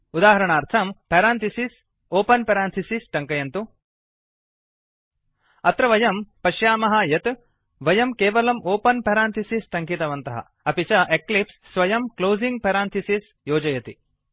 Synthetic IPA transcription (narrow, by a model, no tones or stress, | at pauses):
ud̪aːɦɐɾɐɳaːɾt̪ʰɐmpɐɾaːnt̪ʰisis | oːpɐnpɐɾaːnt̪ʰisisʈɐŋkɐjɐnt̪u | ɐt̪ɾɐʋɐjɐmpɐʃjaːmɐɦɐjɐt̪ | ʋɐjɐmkeːʋɐlɐmʔoːpɐnpɐɾaːnt̪ʰisisʈɐŋkit̪ɐʋɐnt̪ɐɦɐ̰ | ɐpit͡ʃɐʔeklipsːʋɐjɐmkloːziŋɡpɐɾaːnt̪ʰisis | joːd͡ʒɐjɐt̪i